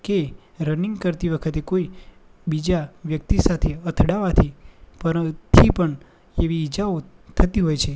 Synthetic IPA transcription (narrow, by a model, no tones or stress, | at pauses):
ke | ɾəniŋɡkəɾt̪iʋəkʰət̪ekoibid͡ʒaʋjək̚t̪isat̪ʰeət̪ʰɽaʋat̪ʰipəɾət̪ʰipəɳ | eʋiːd͡ʒaot̪ʰət̪iɦojt͡ʃʰe